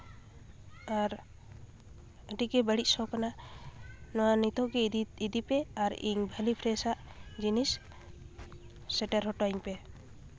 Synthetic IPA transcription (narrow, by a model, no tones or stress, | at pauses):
aɾ | əʈikɛbəɽisɔkana | nɔwanit̪ɔkeid̪ipɛaɾḭŋbʱəlipʰɾɛsaʔ | d͡ʒinis | ɛʈaɾɦɔʈɔiŋpɛ